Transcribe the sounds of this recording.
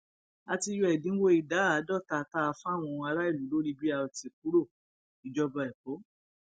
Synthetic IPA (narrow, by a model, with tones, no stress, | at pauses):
a˧ti˧jɔ˧˦ɛ˨dĩ˨˦wo˦i˨da˨˦˨dɔ˦˨ta˧˨ta˦a˧fw̃ɔ̃˧a˧ɾa˦i˦˨lu˨˦lo˦ɾi˦bi˦a˧ɔ˧ti˨k̚u˨˦ɾo˦˨ | i˨d͡ʒɔ˧bɔ˧ɛ˨k͡po˨˦